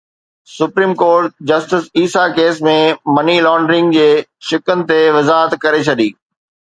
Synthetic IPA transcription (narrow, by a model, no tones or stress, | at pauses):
sʊpɾiːmkoːɾʈ̚d͡ʑɐsʈɪsiːsakeːs̬mẽmɐnilɔːɳɖɾɪ̃ŋɡd͡ʑeːʃɪkənɪ̆t̪eʋɐzaːɦət̪kɐɾet͡ɕʰɐɗiː